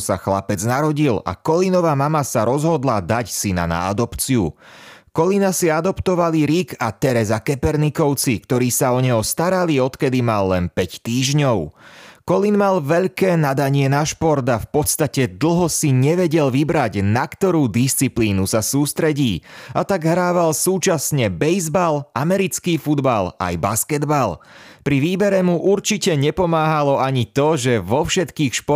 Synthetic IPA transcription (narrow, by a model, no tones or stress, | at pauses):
saxlapɛd͡znaɾɔɟila̰kɔlinɔʋaːmamasaɾɔzɦɔd̪lad̪acsina̰na̰a̰d̪ɔpt͡siukɔlinasiad̪ɔpt̪ɔʋaliɾiɡat̪ɛɾɛzakɛpɛɾnikɔʊt͡sikt̪ɔɾiːsaɔɲɛɦɔst̪aɾaliɔt̪kɛd̪imalːɛnpɛct̪iːʒɲɔʊkɔlinmalʋɛʎkɛːnad̪aɲɪɛnaʃpɔɾt̪afpɔt̪st̪acɛd̪l̩ˠɦɔsiɲɛʋɛɟɛlʋibɾaɟnakt̪ɔɾuːd̪ist͡sipliːnusasuːst̪ɾɛɟiːat̪aɡɦɾaːʋalsuːt͡ʃasɲɛbɛjzbalʔamɛɾit͡skiːfud̪ba̰la̰jbaskɛd̪balpɾiʋiːbɛɾɛmuʔuɾt͡ʃicɛɲɛpɔmaːɦalɔaɲit̪ɔʒɛʋɔfʃɛt̪kiːxʃpɔ